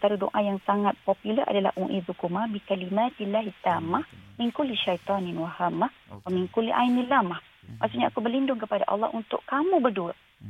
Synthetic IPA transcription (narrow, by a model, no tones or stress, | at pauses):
t̪aɾudo̰ʔajaŋsaŋat̪̚pɔpulərʔa̰dala̰hʔuʔiðukumabikalimat̪ilːaɦit̪ːamaminkulːiʃajt̪ɔninwahamːah | waminkulːiʔa̰inilamah | ma̰ʔsuʔɲaʔakubərlindʊŋkəpada̰ʔɑ̰lːɑ̰hunt̪ʊ̰ʔkamubərduə